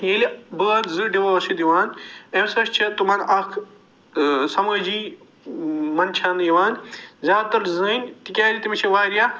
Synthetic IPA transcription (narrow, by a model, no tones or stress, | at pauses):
ɦẽlibɨaːnzɨɖiʋaːɐsid̪iʋaːnemsɐst͡ʃʰɐt̪umaːnɐkʰ | sɐmɐːd͡ʒiː | mɐnt͡ʃʰãːniʋaːnzjaːd̪t̪ɐɾzɨnʲt̪ikʲaːlʲit̪imit͡ʃʰɐʋaːɾijaː